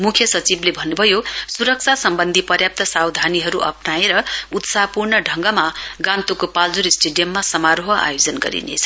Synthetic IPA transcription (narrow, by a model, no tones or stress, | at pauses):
mukʰjʌsʌt͡siblebʱʌnːubʱʌjosuɾʌk̚t͡sʰasʌmbʌnd̪ʱipʌrjap̚t̪ʌsawd̪ʱaniɦʌɾuʔʌ̰pnaeɾʌut̪sapurɳʌɖʱʌŋɡʌmaɡãnt̪ukopald͡zuɾisʈeɖijʌmːasʌmaɾoɦʌa̰jod͡zʌnɡʌ̰ɾḭnḛt͡sʰʌ̥